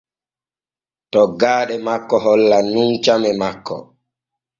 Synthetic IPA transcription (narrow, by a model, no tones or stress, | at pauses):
tɔɡaːɗɛmakːɔɦɔlːanunt͡ʃamɛmakːɔ̰